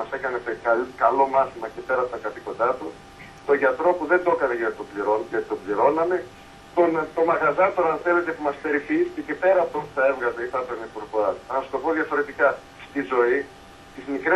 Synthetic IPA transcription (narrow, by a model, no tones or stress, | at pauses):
mɐse̞kɐnet̪ekɐkɐlo̞mɐθimɐcepe̞ɾɐpot̪ɐkɐθiko̞nd̪ɐt̪u | t̪o̞ʝɐt̪ɾo̞puðe̞nd̪o̞kɐneʝɐt̪it̪obliɾonʝɐt̪it̪obliɾo̞nɐme̞ | t̪ont̪o̞mɐɣɐzɐt̪oɐnθe̞le̞t̪e̞pumɐspe̞ɾifisi̥cecepe̞ɾɐːpot̪onp̪u̥θɐe̞vɣɐzɐiθɐt̪onipuɾkoɐɐnɐsu̥t̪o̞po̞ðjɐfo̞ɾe̞t̪ikɐ | st̪izo̞i | t̪izmikɾe